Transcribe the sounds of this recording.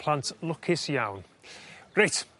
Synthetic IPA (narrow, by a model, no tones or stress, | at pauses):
pʰl̥ˠantʰlˠʊkʰɪsjawn | rajt